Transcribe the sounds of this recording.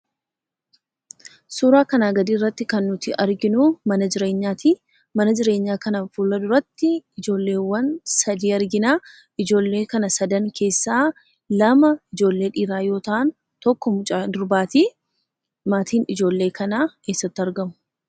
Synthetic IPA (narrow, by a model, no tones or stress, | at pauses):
suːɾaːkɐnaːɡɐd̪iːrːɐt̪ːɪkɐnːʊt̪ɪɐɾɡɪnʊmɐnɐd͡ʒɪɾe̞ːɲːaːt̪iː | mɐnɐd͡ʒɪɾe̞ːɲːaːkɐnɐfuːlːɐd̪ʊɾɐt̪ːɪɪd͡ʒo̞ːlːe̞ːwːɐnsɐd̪iːɐɾɡɪnaː | ɪd͡ʒo̞ːlːe̞ːkɐnɐsɐd̪ɐŋkʰe̞ːsːaː | lɐmɐɪd͡ʒo̞ːlːe̞ːᶑiːɾaːjo̞ːt̪ɐʔɐn | t̪ɔkːɔmʊt͡ʃʼaːd̪ʊɾbaːt̪iː | maːt̪iːnɪd͡ʒo̞ːlːe̞ːkʰɐnaːke̞ːsːɐt̪ːɪɐɾɡɐmʊ̥